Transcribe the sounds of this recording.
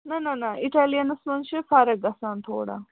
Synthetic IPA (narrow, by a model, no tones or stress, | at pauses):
nɐnɐnɐiʈaːlijɐnɐsmɐnt͡ʃʰifɐɾɐk̚ɡɐsaːnt̪ʰo̰ːɽa̰